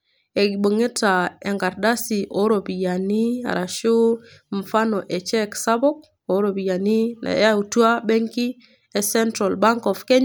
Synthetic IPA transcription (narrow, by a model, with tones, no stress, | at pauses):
e˨ɡi˨bə˨ŋi˦ta˨e˨ŋɡa˨ɾda˦si˨ʔo˦ɾo˨bi˨ja˨ni˦a̰˨ɾa˨ʃu˦ | ɱ˨fa˦no˨ʔe˨t͡ʃe˦ksa˦bo˦k̚ | o˨˦ɾo˨bi˨ja˨ni˦na̰˨ja˦u˨tu˦a˦be˦ŋki˦ | e˨sɛ˦ntɾa˨lba˦ŋkɔ˨fke˦ɲ